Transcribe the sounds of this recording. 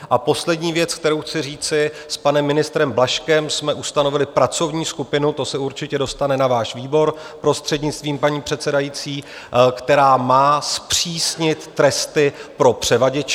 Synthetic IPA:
ʔapo̞slɛdɲiːvjɛt͡sk̚t̪ɛɾowxt͡sɪriːt͡sɪspanɛmːɪnɪst̪ɾɛmblaʃkɛmsmɛʔust̪ano̞vɪlɪpɾat͡so̞vɲiːskupɪnut̪o̞sɛuɾt͡ʃɪcɛdo̞st̪anɛnavaːʃviːbo̞ɾ | pɾo̞st̪r̝̥ɛdɲɪt͡st̪viːmpaɲiːpr̝̥ɛt̪t͡sɛdajit͡siː | kt̪ɛɾaːmaːspr̝̥iːsɲɪt̪ːɾɛst̪ɪpɾo̞pr̝̥ɛvaɟɛt͡ʃ

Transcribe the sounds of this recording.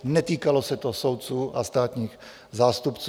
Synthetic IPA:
nɛt̪iːkalosɛt̪osowt̪̚t͡suːʔast̪aːt̪ɲiːx | zaːst̪upt͡s

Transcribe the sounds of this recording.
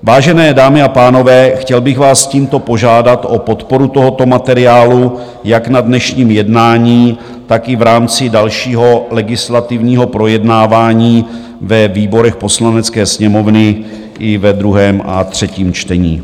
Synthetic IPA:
vaːʒɛnɛːdaːmɪapaːno̞vɛːxcɛlbɪxvaːsciːmt̪o̞po̞ʒaːdat̪ʔo̞po̞t̪po̞ɾut̪o̞ɦo̞t̪o̞mat̪ɛɾɪaːlu | jaknadnɛʃɲiːmjɛdnaːɲiː | t̪akɪvɾaːmt͡sɪdalʃiːɦo̞lɛɡɪslat̪ɪvɲiːɦo̞pɾo̞jɛdnaːvaːɲiː | vɛviːbo̞ɾɛxpo̞slanɛt͡skɛːsɲɛmo̞vnɪ | ʔɪvɛd̪ɾuɦɛːmʔa̰t̪r̝̥ɛciːmt͡ʃt̪ɛɲḭː

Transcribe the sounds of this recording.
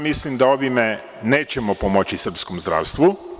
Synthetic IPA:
mislimd̪ao̞ʋime | ne̞ːt͡ɕemopomot͡ɕisr̩pskomzd̪ɾa̰ːʋst̪ʋu

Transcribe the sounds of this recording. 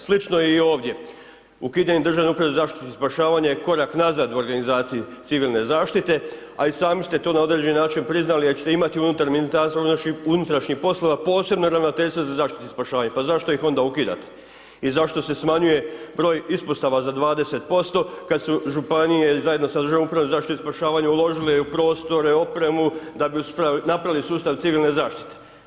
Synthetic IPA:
slit͡ʃno̞eio̞ːʋd̪je̞ | ukiːd̪aɲemd̪ɾrʒaʋneupɾaʋezaːʃt̪i̥t̪ispaʃaːʋaɲajeko̞ɾaknazaːd̪uo̞ɾɡanizaːt̪sijit̪siʋiːlˠne̞zaːʃt̪it̪e̞ | aisaːmist̪e̞t̪o̞nao̞d̪ɾe̞d͡ʑeninaːt͡ʃinpɾiznalijeɾt͡ɕet̪eimat̪iunut̪aɾminit̪aɾsoɾunoʃiunut̪ɾaʃɲixpo̞slˠoʋapo̞ːse̞bnoɾaʋnot̪e̞ʎst̪ʋozazaːʃt̪i̥t̪eispaʃaːʋaɲepazaʃt̪o̞ixo̞nd̪aukid̪a̰t̪e̥ | izaʃt̪o̞se̞smaɲuje̞bɾo̞ːjispost̪aʋazad̪ʋaːd̪e̞set̪̚po̞st̪o̞kad̪suʒupanijezaje̞d̪nosad̪ɾ̩rʒaʋomupɾaʋomzaʃtit̪oispaʃaːʋaɲeulo̞ʒilejupɾo̞ːst̪o̞ɾe̞o̞pɾe̞mud̪abiupanapɾaʋilisuːst̪aʋt̪siʋilˠne̞zaːʃt̪i̥t̪e

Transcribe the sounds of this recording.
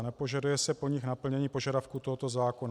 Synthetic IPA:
nɛpo̞ʒadujɛsɛpo̞ɲɪxnapl̩ɲɛɲiːpo̞ʒadafkut̪o̞ɦot̪o̞zaːko̞na

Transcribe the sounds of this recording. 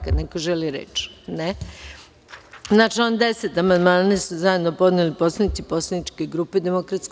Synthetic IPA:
kad̪nekoʒeliɾḛt͡ʃne | znat͡ʃio̞nd̪eset̪amand̪maːnasuzaje̞d̪nopo̞d̪nilipo̞slˠanit̪sipo̞slanit͡ʃkeɡɾuːped̪emokɾat̪sk

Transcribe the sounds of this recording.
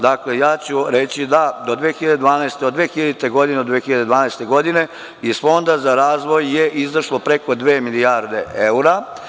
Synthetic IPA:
d̪aklejaːt͡ɕuɾe̞t͡ɕid̪ad̪o̞d̪ʋeːxiʎad̪ed̪ʋaːnaest̪eod̪ʋeːxiʎad̪it̪eɡo̞d̪ineod̪ʋexiʎad̪e̞d̪ʋaːnaːst̪e̞ɡo̞d̪ine̞ | izfo̞nd̪azaɾaːzʋo̞jːeʔizʋrʃlopɾe̞ko̞d̪ʋeːmilijaɾd̪e̞ʔeuɾa

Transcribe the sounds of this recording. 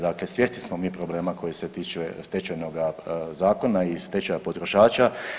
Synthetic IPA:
d̪aklesʋjest̪ismomiːpɾo̞ble̞ːmako̞jiset̪iːt͡ʃɛst̪et͡ʃajnoɡazaːko̞naist̪et͡ʃajapot̪ɾo̞ʃaːt͡ʃa

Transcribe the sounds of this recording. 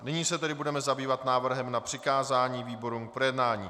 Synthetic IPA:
nɪɲiːsɛt̪ɛdɪbudɛmɛzabiːvat̪naːvr̩ɦɛmnapr̝̥ɪkaːzaːɲiːviːbo̞ɾuːŋk̚pɾojɛdnaːɲiː

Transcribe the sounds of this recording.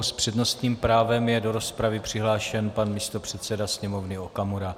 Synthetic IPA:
spr̥ɛdno̞st̪ɲiːmpɾaːvɛmjɛdo̞ɾo̞spɾavɪpr̝̥ɪɦlaːʃɛnpanmiːst̪o̞pr̝̥ɛt̪sɛdasɲɛmo̞vnɪokamuɾa

